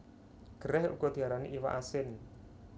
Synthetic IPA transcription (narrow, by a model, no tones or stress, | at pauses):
ɡ̥əɾɛhṵɡ̥ɔd̪̥i̤aɾanḭʔiwa̰ʔasɪn